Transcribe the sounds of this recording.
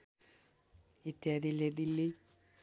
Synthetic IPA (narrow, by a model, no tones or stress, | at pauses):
it̪ːjaːd̪iled̪ilːi